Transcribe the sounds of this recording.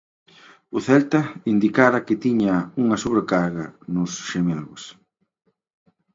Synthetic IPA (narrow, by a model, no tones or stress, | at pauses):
ʊθɛlt̪ɐind̪ikaɾɐkɪt̪iɲauŋɐsoβɾekaɾɣɐnʊsʃemelɣʊs